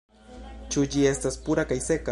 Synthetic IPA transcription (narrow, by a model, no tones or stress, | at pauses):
t͡ʃʊd͡ʒiest̪aspʊɾakajseka